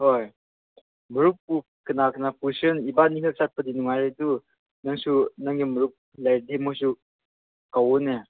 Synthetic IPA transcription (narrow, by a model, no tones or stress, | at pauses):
hɔj | məɾuk̚pu | kənakənapusɯnibaniŋʰɯk̚sat̪̚pəd̪inuŋaɾɯtu | naŋsʰunaŋiməɾuk̚ | lajdimɔs̬u | kawune